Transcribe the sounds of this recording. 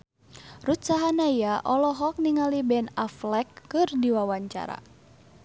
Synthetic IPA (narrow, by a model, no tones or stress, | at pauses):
rut̪saɦanaijaʔɔlɔɦɔk̚niŋalibɛnaflɛkːɨrdiwawaɲt͡ʃa̰ɾa̰